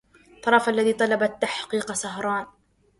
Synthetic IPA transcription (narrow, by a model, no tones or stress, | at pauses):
t̪ˤːɑɾˤɑfʔalːaðiːt̪ˤɑlɑbat̪ːaħqiːqsɑɦɾˤɑːn